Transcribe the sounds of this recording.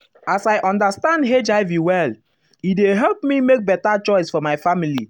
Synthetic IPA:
asajʔɔ̃ndastãndɦed͡ʒaɪviwɛl | ideɦɛlpmimek̚bɛtat͡ʃɔɪsfɔmaɪfamili

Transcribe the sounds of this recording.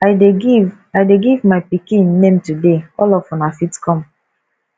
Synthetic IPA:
aɪdeɡiv | aɪdeɡivmaɪpikĩnːẽmtudeɔlɔvfɔ̃nafitkɔ̃m

